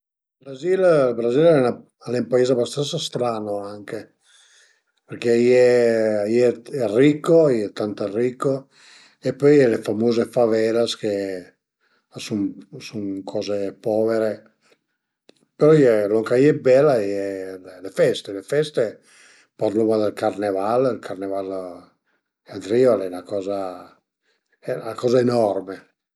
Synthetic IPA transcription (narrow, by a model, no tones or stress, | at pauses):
lbɾazillbɾazilɛna | alɛumpaeːzabast̪ant̪sast̪ɾaːnoaŋke | perkeiejeɛrikːojɛt̪ant̪erːikːo | epːɔjɛlefamoːzefavɛlaske | asuŋsuŋkʰɔːzepɔːveɾe | peɾɔjeloŋkaiebɛlajellefɛst̪elefɛst̪e | paɾlumad̪alkarnevalilkʰarneval | ad̪ɾiːalɛnakɔːza | nakɔːzaenɔrme